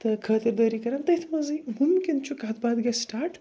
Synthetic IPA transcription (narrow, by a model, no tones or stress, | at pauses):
t̪ɐkʰaːt̪ɪɾd̪ɐːɾikɐɾɐmt̪ɐjt̪ʰmɐzimʊmkʲint͡ʃʰukat̪baːd̪ɡɐsʈaːɾʈ